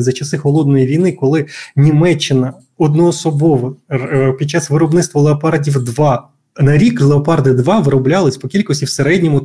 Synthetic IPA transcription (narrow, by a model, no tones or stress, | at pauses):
zɐt͡ʃɐsɪxɔlˠɔd̪nɔjiʋʲijnɪkɔlˠɪnʲimɛt͡ʃːɪnɐ | ɔd̪nɔɔsɔbɔʋɔpʲid̪̚t͡ʃːɑsʋɪɾɔbnɪt̪st̪ʋɔlˠeɔpɑɾdʲiwd̪ʋɑ | nɐɾʲiklˠeɔpɑrd̪ɪd̪ʋɑʋɪɾɔblʲalˠɪsʲpɔkʲilʲkɔsʲtʲiwseɾɛdʲnʲɔmʊ